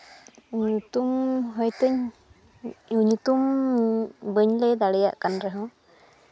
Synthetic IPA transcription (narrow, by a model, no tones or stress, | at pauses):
ɲut̪umɦɔjt̪əɲ | uɲut̪um | bəɲləjd̪aɽɛja̰ʔkanɾɛɦɔ̃